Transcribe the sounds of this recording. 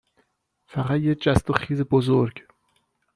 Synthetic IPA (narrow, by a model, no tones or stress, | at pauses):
fæʁæt̪jed͡ʒæst̪oxiːzebozoɾɡ